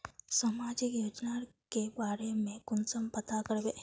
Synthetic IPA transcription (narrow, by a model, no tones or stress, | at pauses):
səmaːd͡ʒɪkjoːd͡ʒnakebaːɾemẽkʊnsəmpət̪akəɾbe